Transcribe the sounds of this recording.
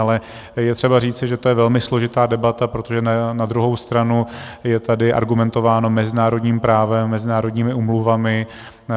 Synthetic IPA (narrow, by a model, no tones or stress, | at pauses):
alɛ | jɛt̪r̝̥ɛbariːt͡sɪʒɛt̪o̞jɛvɛlmɪslo̞ʒɪt̪aːdɛbat̪apɾo̞t̪o̞ʒɛnanad̪ɾuɦo̞wst̪ɾanu | jɛt̪adɪʔa̰ɾɡumɛnt̪o̞vaːno̞mɛzɪnaːɾo̞dɲiːmpɾaːvɛmːɛzɪnaːɾo̞dɲiːmɪuːmluvamɪ